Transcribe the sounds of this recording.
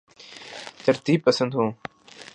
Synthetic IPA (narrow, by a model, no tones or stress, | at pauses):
t̪ɐɾt̪iːb̚pɐsɐ̃nd̪hũː